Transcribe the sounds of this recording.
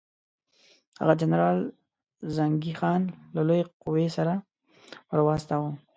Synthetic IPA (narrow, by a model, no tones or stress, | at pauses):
ha̰ɣad͡ʒanɾɑl | zaŋɡixɑnlalojeqʊwesaɾa | pəɾwɑst̪awə